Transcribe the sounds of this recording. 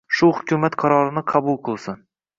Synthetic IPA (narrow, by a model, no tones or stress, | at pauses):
ʃʊhʊkʲʰʊmat̪qʰɑɾɒɾɪnɪqʰɑbʊlˠqʰɨlˠsɪn